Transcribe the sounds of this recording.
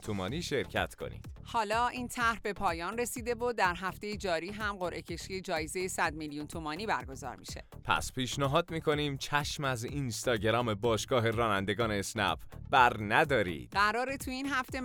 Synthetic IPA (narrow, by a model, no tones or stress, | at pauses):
t̪ʰumɒːniːʃe̞ɾcʰæ̰t̪ʰkʰo̞̰nḭːd̪̥hɒːlɒːʔint̪ʰæɾhbe̞pʰɒːjɒːnre̞siːd̪evod̪æɾɦæft̪ejed͡ʒɒːɾiːɦæmɢo̞ɾʔe̞cʰe̞ʃijed͡ʒɒːjezejesæd̪miljunt̪ʰumɒːniːbæɾɡo̞zɒ̰ːɾmḭʃe̞̰pʰæ̰spʰiːʃnæɦɒːd̪miːkʰo̞niːmt͡ʃʰæʃmæzinst̪ɒːɟeɾɒːme̞bɒːʃɡ̥ɒːɦe̞ɾɒːnænd̪e̞ɡɒːneːsnæ̰pbæɾnæd̪ɒːɾḭːd̪̥ɢæɾɒːɾet̪ʰuinɦæft̪e̞